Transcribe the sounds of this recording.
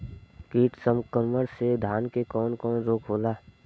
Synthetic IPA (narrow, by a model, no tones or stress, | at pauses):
kiːʈsəmkəɾməɽsed̪ʱaːnkekɔːnkɔːnɾoːkɦoːlaː